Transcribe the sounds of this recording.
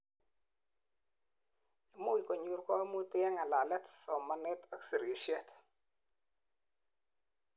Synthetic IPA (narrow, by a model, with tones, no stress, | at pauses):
i˨mo˦i˨kɔ˨ɲu˦ɾkɔ˦mu˦tɪ˦ɛ˦ŋa˨la˨lɛ˦tsɔ˨ma˨nɛ˦ta˦ksi˨ɾe˨ʃɛ˦t